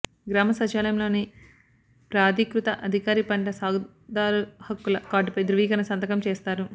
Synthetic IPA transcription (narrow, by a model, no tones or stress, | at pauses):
ɡɾaːmɐsɐt͡ʃɐlɐmlo̞ːni | pɾaːd̪ikɾut̪ɐʔɐd̪ʱikaːɾipɐɳʈɐsaːɡu | d̪aːɾuhɐkːulɐkaːɖupɐjd̪ɾuʋiːɡɐnɐsɐnd̪ɐkɐmt͡ʃeːst̪aːɾu